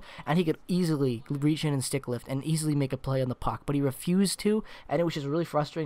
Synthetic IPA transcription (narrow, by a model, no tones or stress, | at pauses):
ʔɨ̃nikɨɾizl̩ˠiɹit͡ʃɨ̃nɨ̃nstɪklɪftɨ̃nʔizl̩ˠimeɪkɨpʰl̥eɪɨ̃nðəpʰɑk̚b̥ʌt̚hiɹɨfjʉztʰʉʔɨ̃ñɨt̚wʌzd͡ʒʌst̚ɹɪlˠifɹʌstɹ̥eɪ